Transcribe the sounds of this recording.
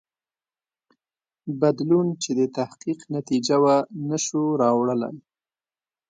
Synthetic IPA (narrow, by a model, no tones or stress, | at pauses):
bad̪lunt͡ʃed̪ət̪ahqiqnat̪id͡ʒawanəʃuɾɑwɽələ̰l